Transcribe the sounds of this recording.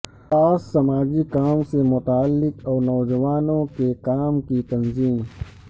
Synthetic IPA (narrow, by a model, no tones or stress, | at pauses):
aːssɐmaːd͡ʒikaːmsemʊt̪aːlːɪkɔːnɔːd͡ʒɐwaːnõkekaːmkit̪ɐnziːm